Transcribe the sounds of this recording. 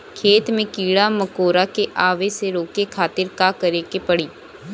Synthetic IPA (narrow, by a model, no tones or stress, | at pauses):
kʰeːt̪mẽkiːɽamɐkoːɾakeʔaːʋeseɾoːkekʰaːt̪ɪɾkaːkɐɾeːkepɐɽiː